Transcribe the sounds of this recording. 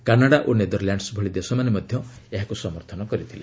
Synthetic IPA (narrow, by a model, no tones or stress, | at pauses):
kanaɽaʔoned̪ɔɾljaɳɖsbʱɔɭid̪esɔmanemɔd̪ʱjɔeɦakusɔmɔɾt̪ʰɔnɔkɔɾit̪ʰile